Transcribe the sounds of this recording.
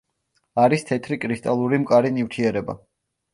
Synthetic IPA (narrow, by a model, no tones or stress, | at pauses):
aɾist̪ʰɛt̪ʰɾikʼɾist̪ʼalˠuɾimkʼaɾinift̪ʰiɛɾɛba̰